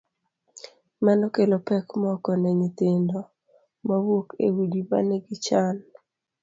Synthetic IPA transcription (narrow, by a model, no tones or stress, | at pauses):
manɔkelopɛkmɔkɔnɛɲit̪ɪndɔ | mawokḛwudiba̰nɛɡɪt͡ʃan